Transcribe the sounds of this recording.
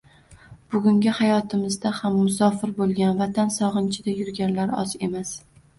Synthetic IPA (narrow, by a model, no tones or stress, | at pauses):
b̥ʊɡʲʊŋɡʲɪhajɒt̪ʰɪmɪzd̪ahamːʊsɒfɪɾbolˠɡʲanvat̪ʰansɒʁɨnt͡ʃʰɪd̪ajʊɾɡʲanlaɾɒ̰ze̞mas